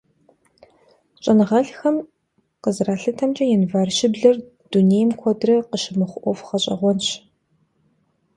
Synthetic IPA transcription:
t͡ʃʼɐnɨʁɐɬxɐm | qəzraːɬɨtʰɐmt͡ʃʼɐjɛnvaːrʃɪbɮɐr | d̥uneːjmkʷʰɔdrɐqəʃɪmɨχʷʔʷɔfχɐɕʼɐ̰ʁʷɔnɕ

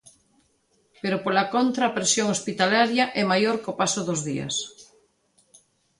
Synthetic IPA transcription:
peɾopolakont̪ɾaːpɾesjoŋospit̪alaɾjaʔɛmajoɾkopasoðozðiɐ̰s

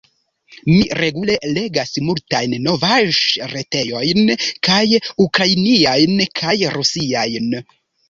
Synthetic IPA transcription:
miɾe̞ɡule̞le̞ɡasmultajnːo̞vaʒɾete̞jo̞jnkajukɾainiajnkʰajɾusiajn

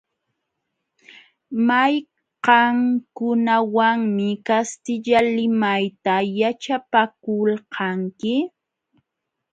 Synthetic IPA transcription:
maj | qɑŋkʊnawaŋmɪkast̪ɪʎalɪmajt̪ajat͡ʃapakʊlqʰɑŋkɪ

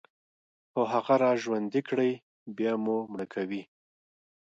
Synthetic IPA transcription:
xoɦaɣaɾɑʒwand̪ikɽəj | bjɑmumɽəkʰawi

